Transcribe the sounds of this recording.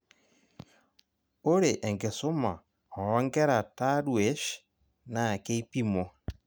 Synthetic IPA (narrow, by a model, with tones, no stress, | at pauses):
o˦ɾe˨ʔɛ˨ŋɡe˨so˦ma˨ | ɔ˨ɔ˦ŋɡɛ˦ɾa˨ta˦ɾwe˦ʃ | na˨ke˦i˦pi˦mo˨